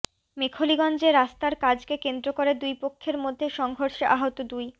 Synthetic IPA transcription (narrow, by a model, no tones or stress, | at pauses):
mekʰoliɡɔnd͡ʑeɾːast̪aɾkad͡ʑkekend̪ɾokoɾed̪ujpokʰːeɾmod̪ʱːeʃɔŋɡʱoɾʃeʔaɦot̪od̪uj